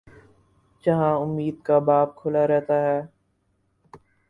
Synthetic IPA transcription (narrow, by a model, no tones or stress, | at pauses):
d͡ʒɐɦãʊmːiːd̪̚kabaːp̚kʰʊlaɾɛɦt̪aɦɛː